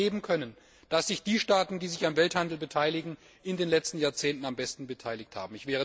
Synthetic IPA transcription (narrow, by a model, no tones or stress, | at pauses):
eːbm̩kʰœnən | d̥asz̥ɪçd̥iːʃtaːtn̩diːzɪçamvɛlthandl̩bətʰaɪlɪɡŋ̩ | ɪndeːnlɛt͡stn̩jaːɐt͡seːntn̩ambɛstn̩bətʰaɪlɪçtha̰ːbm̩ɪçv̥ɛːə